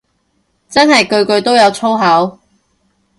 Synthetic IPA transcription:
t͡sɐ˥nɦɐ˨jkɵ˧ɥkɵ˧ɥt̪o˥wjɐ˨˧wt͡sʰo˥wɦɐ˨˥w

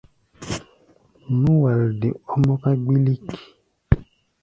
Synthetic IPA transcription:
nũ˦wa˨lde˨ɔ˦mɔ̃˦ka˦ɡ͡bi˦li˦ki̥˨

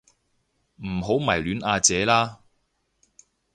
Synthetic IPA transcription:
m̩˨˩ɦo˨˥wmɐ˨˩jlyː˨˥nʔaː˧t͡sɛː˨˧˥laː˥

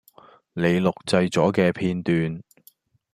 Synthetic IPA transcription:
le˨˧jlʊ˨k̚t͡sɐ˧jt͡sɔː˨˥kɛː˧pʰiː˧nt̪yː˨n

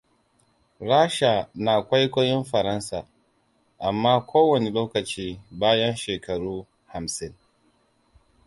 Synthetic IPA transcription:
ɽaː˦ʃa˨naː˨kʷa˦jkʷoː˦jɪ˦mɸɐ˨ɾɐ˦nsaː˨ | ʔa˨mːaː˦kʷoː˦wɐ˨ne˨loː˦kɐ˨t͡ʃiː˦baː˦jɐ˦nʃeː˨kɐ˨ɽuː˦ | ha˨msɪ˦ŋ

